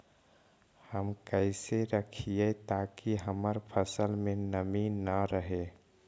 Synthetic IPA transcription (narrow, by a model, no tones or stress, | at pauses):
həmkəɪseɾəkʰiet̪akiɦəməɾpʰəsəlmẽnəminəɾəɦe